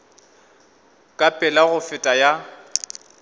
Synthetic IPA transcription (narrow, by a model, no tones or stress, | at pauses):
kʼapʼɪlaɣʊfɪtʼaja